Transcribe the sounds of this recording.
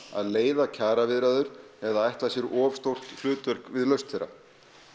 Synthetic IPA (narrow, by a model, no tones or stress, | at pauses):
a̰ðleːjðacʰaːɾavɪðɾaðʏɾ̥ | ɛðaajht̪lasjɛɾɔːvst̪owr̥t̪l̥ʏːt̪vɛɾ̥kvɪðlœɥst̪θɛɾːa̰